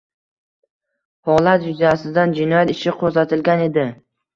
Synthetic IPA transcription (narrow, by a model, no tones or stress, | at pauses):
hɒlˠat̪̚d͡ʒʊzjasɪd̪and͡ʒɪnɒjat̪ɪʃɪqʰozat̪ʰɪlɡʲane̞d̪ɪ